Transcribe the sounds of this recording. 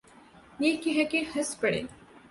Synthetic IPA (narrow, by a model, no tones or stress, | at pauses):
jekiɦɛkehɐspəɽḛː